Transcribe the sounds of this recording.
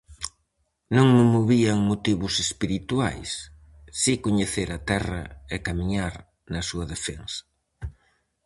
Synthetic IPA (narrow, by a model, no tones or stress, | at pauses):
nõŋmɪmoβiɐŋmot̪iβʊsespiɾit̪wa̰jsː | ikoɲeθeɾɐt̪ɛrɐ̰ekamiɲaɾ | nɐsuɐðefeŋsɐ̥